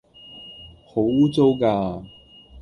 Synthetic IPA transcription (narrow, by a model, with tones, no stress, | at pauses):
ho˨˥wuː˥t͡so˥wkaː˧